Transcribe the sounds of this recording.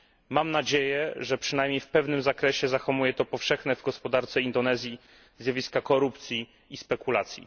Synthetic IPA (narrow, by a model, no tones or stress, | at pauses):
mamnad͡ʑejɛʐɛpʂɘnajmʲɲejfpɛvnɘmzakɾɛɕɛzaxɔmujɛt̪ɔpɔfʂɛxnɛvɡɔspɔd̪aɾt̪sɛind̪ɔnɛzʲji | zjavʲiskakɔɾupt̪sʲjiː | spɛkulat̪sʲjḭ